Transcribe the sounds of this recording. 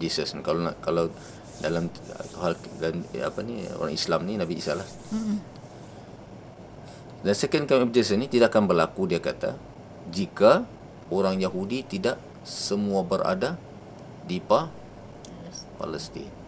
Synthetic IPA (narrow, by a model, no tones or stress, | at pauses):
d͡ʒisəsnkalanaʔkalaw | dalam | ɦaldalama̰panio̰ɾaŋḭslamninabiːsa̰lah | dansɛkənkamɛp̚d͡ʒɛsənit̪idaʔakanbərlakudiakat̪a̰ | d͡ʒika | oɾaŋjaɦudit̪idaʔ | səmuabəɾʔa̰da | dipa | pa̰ləst̪ḭ